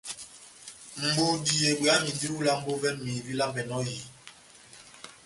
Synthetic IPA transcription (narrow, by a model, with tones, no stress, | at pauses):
m̩˨bu˨di˨je˨ɓi˨a˦mi˨di˦ɾu˦la˦m̩˦bo˦vɛ˦mi˨vi˦la˦vɛ˨nɔ˦ji˨